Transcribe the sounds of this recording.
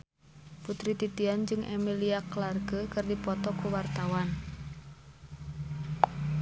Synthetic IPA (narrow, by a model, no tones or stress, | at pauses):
put̪ɾit̪it̪iand͡ʒɨŋʔɛ̰miliaklarɡəkɨrdipɔt̪ɔkuwart̪awan